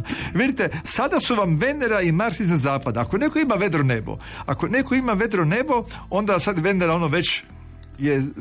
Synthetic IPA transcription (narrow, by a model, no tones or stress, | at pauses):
ʋid̪it̪esad̪asuʋamʋe̞nd̪eɾaimaɾsizazaːpad̪aːko̞ne̞ko̞imaʋe̞d̪ɾonebo̰ | ako̞ne̞ko̞imaʋe̞d̪ɾone̞bo̞o̞nd̪asad̪ʋe̞nd̪eɾaonoʋe̞t͡ʃ | je